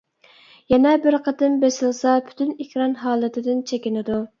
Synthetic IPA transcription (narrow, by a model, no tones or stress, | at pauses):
jɛnɛbɪɾqʰət̪ɪmbesɪlˠsɑpʰy̥t̪ʰynikʲʰɾɑnɦɑːlˠɨt̪ʰɪd̪ɪnt͡ʃʰekʲinɪd̪u